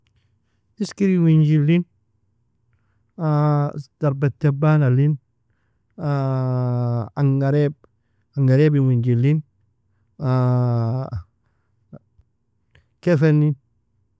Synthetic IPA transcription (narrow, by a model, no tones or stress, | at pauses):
iskiɾiwiɲd͡ʒilin | ad̥aɾbɛt̪ːɛbanalin | a | aŋɡaɾɛb̚ | aŋɡaɾɛbiwiɲd͡ʒilin | a | kɛfɛnin